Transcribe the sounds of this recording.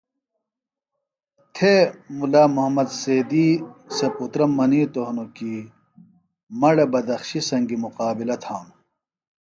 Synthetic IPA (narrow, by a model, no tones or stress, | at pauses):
t̪ʰemulaːmuɦmɐd̪seːd̪iːseput̪ɾɐmːɐniːt̪oɦnoki | mɐɽɐbɐd̪ɐxɕisɐŋɡimuqaːbilɐt̪ʰaːnu